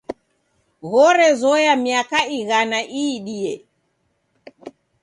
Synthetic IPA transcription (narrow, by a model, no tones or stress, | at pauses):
ɣɔɾɛzɔjamiakaiɣanaʔiːɗiɛ